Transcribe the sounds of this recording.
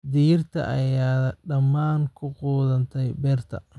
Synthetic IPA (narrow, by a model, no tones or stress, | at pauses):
d̪ɪjɪrt̪ʰɐ̰ʔɐ̰jaːɖɐmːaːnkʰʊquːðɐnt̪ʰɛjbɛːrt̪ʰɐ̰